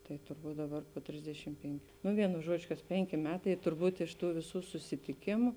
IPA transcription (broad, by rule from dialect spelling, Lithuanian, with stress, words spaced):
tɐɪ tʊrˈbuːt ˈdɑːˌbɐr poː ˈtʲrʲɪzʲdʲɛʃʲɪm ˈpʲɛŋʲkʲʊ nʊ ˈʋʲiɛnʊ ˈʒuɔd͡ʒʲʊ kɐs ˈpʲɛŋʲkʲɪ ˈmʲæːtɐɪ tʊrˈbuːt ɪʃ ˈtuː ʋʲɪˈsuː sʊsʲɪtʲɪˈkʲɪmʊ